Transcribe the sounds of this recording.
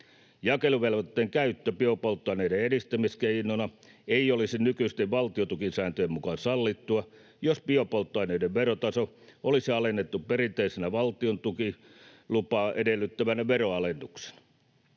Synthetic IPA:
jɑkeluʋelʋot̪ːeːŋkæyt̪ːøpiopolt̪ːɑineideedist̪æmiskeinonɑ | eiolisinnykyist̪eʋʋɑlt̪iot̪ukinsæːnt̪øjemmukɑnsɑlːit̪ːuɑ | jospiopolt̪ːɑineideʋʋerot̪ɑso | olisiɑlenːet̪ːupperint̪eisenæʋɑlt̪iont̪ukilupɑːʔedelːˑyt̪ːæʋænæʋeroɑlenːukse̥nɑ̥

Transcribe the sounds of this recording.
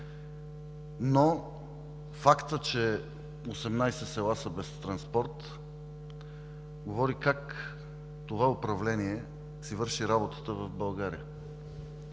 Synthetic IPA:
no | fakt̪ət͡ʃɛ | osɛmnajsɛsɛlˠasəbɛst̪ɾɐnspɔɾt̪ | ɡovɔɾikak | t̪ovaopɾɐvlɛniɛ | sivɤɾʃiɾabot̪ə̥t̪əvɐvbɐlˠɡaɾḭə

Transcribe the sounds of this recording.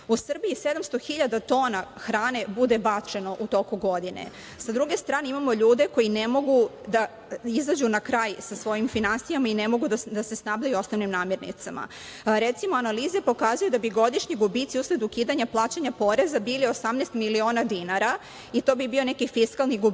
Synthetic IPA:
usr̩biised̪amst̪o̞xiʎad̪at̪o̞ːnaxɾaːne̞bud̪ebat͡ʂe̞no̞ʔut̪o̞kuɡo̞d̪inḛ | sad̪ɾuɡe̞st̪ɾaːne̞imamo̞ʎuːd̪e̞ko̞jinemo̞ɡud̪a | izad͡ʑunakɾaːjsasʋo̞jimfinansijamainemo̞ɡud̪ad̪ase̞snabʎajuo̞snoʋnimnaːmje̞ɾnḭt̪sama̰ | ɾet̪simo̞analiːzepo̞kazujud̪abiɡo̞d̪iʃɲiɡubit̪siusled̪ukiːd̪aɲaplˠaːt͡ɕaɲapo̞ɾe̞zabiːliosamnest̪milio̞ːnad̪inaɾa | it̪o̞ːbibio̞ne̞kifiskalˠniɡu

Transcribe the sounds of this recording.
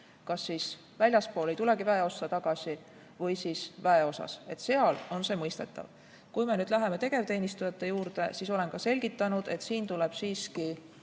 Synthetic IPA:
kɑsːiːs | vælʲjɑspo̞ːle̞jt̪ule̞kivæe̞o̞sːɑt̪ɑɡ̥ɑsi | vɤjsiːsvæe̞o̞sɑ̰se̞t̪ːse̞ɑlo̞nse̞mɤjst̪e̞t̪ˑːɑ̰v | kujme̞nyːd̪̥læɦe̞me̞t̪e̞ɡ̥e̞vt̪e̞ːnist̪ujɑt̪ːe̞juːɾd̪̥ḛsiːso̞le̞nkɑse̞lʲɡ̥it̪ːˑɑnud̪̥e̞t̪siːnt̪uleb̥siːski

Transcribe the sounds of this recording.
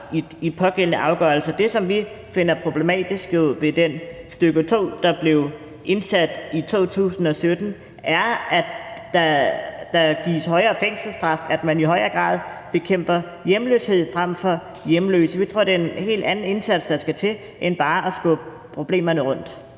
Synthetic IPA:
i | ipʰɒ̽ɡ̥el̰ənəʔɑ̈ʊɡ̥ɶ̰ɐl̩səd̥e̝sɒ̽mʋi | fe̝n̰ɐpʰʁo̝b̥le̝mɛ̰ːd̥isɡ̥oð̰ˠʋe̝d̥ensd̥øɡ̥ət͡sʰo̝̰ːd̥ɑ̈b̥le̝ʊ | ʔe̝nsæd̥it͡sʰo̝̰ːt͡sʰṵːsn̩ɒ̽sød̥n̩ | ʔæɐæ̥ɑd̥ɑ̈ɡ̥ḭːshɒ̽ɪɐːfeŋ̰sl̩sd̥ʁɑ̈fæd̥mæniɦɒ̽ɪɐːɡ̥ʁɑ̰̈ːð̞ˠb̥e̝kʰem̰b̥ɐ | jemlø̰ːshe̝ð̞̰ˠfʁam̰fɒ̽ | jemlø̰ːsəʋit͡sʰʁo̝ɐ̰d̥eenhe̝̰ːld̥ænn̩e̝nsæd̥sd̥ɑ̈sɡ̥æt͡sʰe̝l | ʔenb̥ɑ̈ːʔæsɡ̥ɔ̰b̥ | pʰʁo̝b̥le̝̰ːmɐnəʁɔ̽n̰d̥

